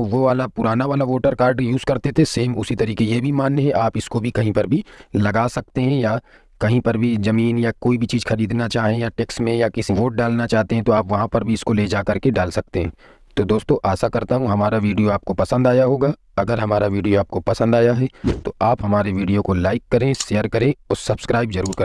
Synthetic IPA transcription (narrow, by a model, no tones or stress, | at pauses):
ʋoʋaːlapʊɾaːnaʋaːlaʋoːʈəɾkaːɾɖjuːzkɐɾt̪et̪ʰeseːmʊsit̪ɐɾiːkejebʱimaːnːeɦɛʔaːpɪskobʱikɐɦĩpɐɾbʱilɐɡaːsɐk̚t̪eɦɛ̃ja | kɐɦĩpɐɾbʱizɐmiːnjakoːibʱit͡ʃiːzxɐɾiːd̪nat͡ʃaːɦẽjaʈeːksʈmẽjakɪsiʋoːʈ̚ɖaːlnat͡ʃaːɦt̪eɦɛ̃t̪oaːpʋɐɦãpɐɾbʱiɪskoleːd͡ʒaːkɐɾkeɖaːlsɐk̚t̪eɦɛ̃ː | t̪od̪oːst̪õʔaːsakɐɾt̪aɦũɦɐmaːɾaʋiːɖijoaːp̚kopɐsə̃nd̪aːjaɦoːɡaː | ɐɡəɾɦɐmaːɾaʋiːɖijoaːp̚kopɐsə̃nd̪aːjaɦɛt̪oʔaːpɦɐmaːɾeʋiːɖijokolaːɪkːɐɾẽʃeːjəɾkɐɾẽɔːɾsɐbskɾaːɪbzɐɾuːɾkɐɾ